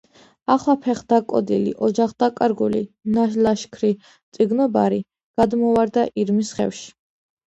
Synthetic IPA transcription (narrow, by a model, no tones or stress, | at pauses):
aχlˠapʰɛχd̪akʼɔ̰d̪ilḭʔɔd͡ʒaχd̪akʼaɾɡulḭnaʃlaʃkʰɾi | t̪sʼiɡnɔbaɾi | ɡ̥ad̪mɔvaɾd̪aʔiɾmisχɛ̰fʃi̥